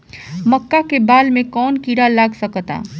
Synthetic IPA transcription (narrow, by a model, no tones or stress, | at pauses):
mɐkːakebaːlmẽkɔːnkiːɽalaːɡsɐkt̪a̰ː